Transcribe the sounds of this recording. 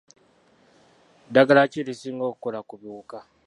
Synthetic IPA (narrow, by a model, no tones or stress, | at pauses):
daɡalaciɾisiŋɡokukolakuβjuːka